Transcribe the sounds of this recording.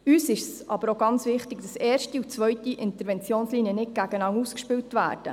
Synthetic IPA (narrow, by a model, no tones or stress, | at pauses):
yːsɪʃsɑ̰bəɾoɡɑnt͡sʋɪχtɪɡd̥ɑsɛːrʃtiut͡sʋœɥtiʔɪnt̪əɾʋɛnt͡sjoːnsliːniənɪt̚ɡ̥æɡənɑŋuːskʃpɪwtʋæ̰ːɾd̥ə̰